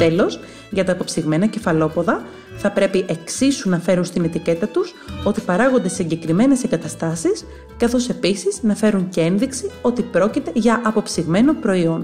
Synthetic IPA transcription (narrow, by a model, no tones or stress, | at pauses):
t̪e̞lo̞s | ʝɐt̪ɐːpo̞psiɣme̞nɐce̞fɐlo̞po̞ðɐ | θɐpɾe̞piʔe̞ksisunɐfe̞ɾunst̪ine̞t̪ice̞t̪ɐt̪uso̞t̪ipɐɾɐɣo̞nd̪e̞siɲɟe̞kɾime̞ne̞seŋɡɐt̪ɐst̪ɐsis | kɐθo̞se̞pisiz̥nɐfe̞ɾuɲcee̞nðiksio̞t̪ipɾo̞cit̪e̞ʝɐʔɐpo̞psiɣme̞no̞pɾo̞io̞n